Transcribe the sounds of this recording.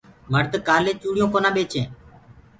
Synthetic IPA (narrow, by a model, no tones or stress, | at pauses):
məɾd̪kaːlẽːt͡ʃuːɽɪjõːkoːnãːɓeːt͡ʃẽː